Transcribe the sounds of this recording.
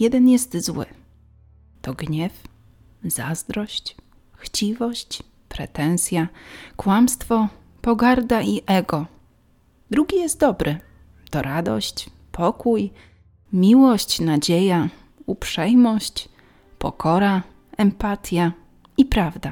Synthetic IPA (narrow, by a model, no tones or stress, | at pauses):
jɛd̪ɛnjɛst̪zwɘ̰ | t̪ɔɡɲɛf | za̰zd̪ɾɔɕt͡ɕ | xt͡ɕivɔɕt͡ɕ | pɾɛ̰t̪ɛnsʲjakwamst̪fɔ | pɔɡaɾd̪aʔiʔɛɡɔ | d̪ɾuɡʲijɛst̪̚d̪ɔbɾɘ | t̪ɔɾad̪ɔ̰ɕt͡ɕ | pʰɔkuj | mʲiwɔɕt͡ɕnad͡ʑeja | upʂɛjmɔɕt͡ɕ | pɔ̰kɔɾa | ɛmpat̪ʲja | ipɾavd̪a